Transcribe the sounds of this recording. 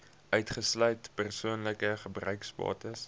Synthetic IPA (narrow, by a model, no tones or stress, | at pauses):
ʔœɥtχəslœɥtpərsuənləkəχəbrœɥkspɑ̰ːtəs